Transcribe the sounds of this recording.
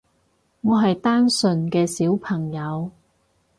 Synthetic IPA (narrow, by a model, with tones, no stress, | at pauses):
ŋɔː˨˧ɦɐ˨jt̪aː˥nsɵ˨˧nkɛː˧siː˨˥wpʰɐ˨˩ŋjɐ˨˧w